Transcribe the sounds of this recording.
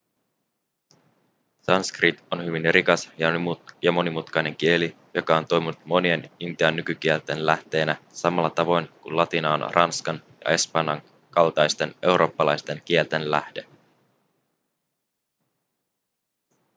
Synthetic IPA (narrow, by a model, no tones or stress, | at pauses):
sɑnskrit̪o̞nhyʋinrikɑsjɑmut̪jɑmo̞nimut̪kɑjne̞ŋk̟ie̞li | jo̞kɑo̞nt̪o̞jmunut̪mo̞nie̞nint̪iɑnːykykie̞lt̪e̞nlæht̪e̞ːnæsɑmɑlːɑt̪ɑʋo̞jnkṵnlɑt̪inɑo̰nrʔɑnskɑnjɑ̰e̞spɑnɑŋ | kɑlt̪ɑjst̪e̞ne̞wɾʔo̞ːpːɑlɑjst̪e̞nkie̞lt̪e̞nlæ̰hde̞